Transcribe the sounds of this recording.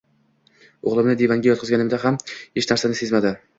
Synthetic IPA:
oʁlˠɪmnɪd̪evaŋɡʲajɒt̪qʰɨzɡʲanɪmd̪aɦamheʃnaɾsanɪse̞zmad̪ɪ

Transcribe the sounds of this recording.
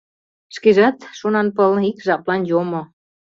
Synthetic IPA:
ʃkiʒɑt̪ʃonɑnpəlikʒɑplɑnjomo

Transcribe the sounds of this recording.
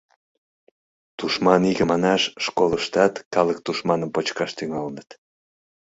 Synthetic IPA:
t̪uʃmɑniɣəmɑnɑʃːkoləʃt̪ɑt̪kɑlək̚t̪uʃmɑnəmpot͡ɕkɑʃt̪yŋɑlənət̪

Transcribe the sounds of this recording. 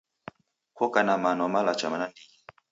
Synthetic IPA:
kɔkanamanɔmalat͡ʃa̰manandi

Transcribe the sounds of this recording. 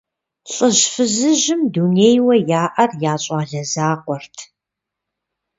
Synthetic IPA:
ɬʼəʒfɨzɨʒɨmduneːjwɐjaːʔɐrjaːɕʼaːɮɐzaːqʷɔrtʰ

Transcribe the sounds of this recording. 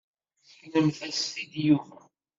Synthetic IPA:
nəmθæst̪id̪juvæ

